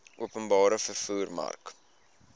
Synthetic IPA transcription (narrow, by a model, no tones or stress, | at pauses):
ʔuəpənbɑːɾəfərfuːrmɐ̰rk